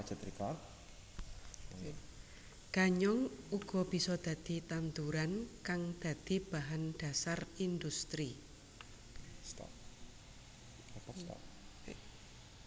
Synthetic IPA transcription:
t͡ʃat̪ɾika | ɡ̥aɲɔŋuɡ̥ɔ̤b̥i̤sɔd̪̥ä̤d̪̥i̤t̪ant̪uɾankaŋd̪̥a̤d̪̥i̤b̥a̤ɦanɖ̥a̤sarind̪ust̪ɾi | st̪a̰ | t̪a̰

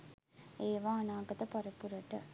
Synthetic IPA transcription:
eːʋãːɐnaːɡɐt̪ɐpɐɾɐpuɾɐʈːɐ

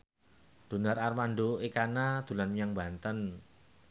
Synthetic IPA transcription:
d̪̥o̤nərarmanɖoekanad̪̥ṳlanjaŋba̤nt̪ən

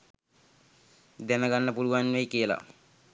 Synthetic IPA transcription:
d̪ɛnəɡanːəpuluʋanʋejkijəla̰

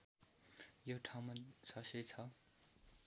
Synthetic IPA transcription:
joʈʰaw̃masʰʌsʌjt͡sʰʌ

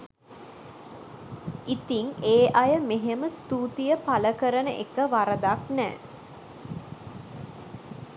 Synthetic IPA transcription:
it̪iŋeːʔajəmeɦeməst̪uːt̪ijəpaləkəɾənəʔekəʋaɾəd̪aknɛ̰ː

